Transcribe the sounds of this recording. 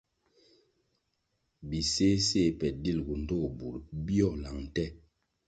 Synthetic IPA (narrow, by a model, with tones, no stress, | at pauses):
bi˨se˦se˦˨pɛ˨di˦˨lɡu˨n̩˨do˦˨bu˨ɾbijɔ˦˨la˨ŋ˨tɛ˦